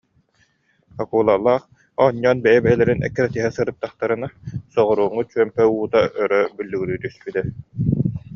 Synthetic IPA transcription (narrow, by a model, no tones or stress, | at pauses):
akuːlˠalˠːaːχ | ɔɲːɔːnbɛjɛbɛɦɛlɛɾinɛ̰kːɛɾɛt̪iɦɛsɯɾɯt̪ːaχt̪aɾɯnasɔʁɔɾuːŋut͡ʃyœmpɛuːt̪aʔœɾœbylːyɡyɾyːt̪yspit̪ɛ